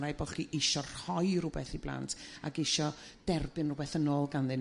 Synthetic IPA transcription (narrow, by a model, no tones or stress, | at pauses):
ɾajbɔχkiʔɪʃɔr̥hɔjrʊbɛθiblˠa̰ntʰa̰ɡɪʃɔd̥ɛrbɨnrʊbɛθənoːlˠɡanðɨn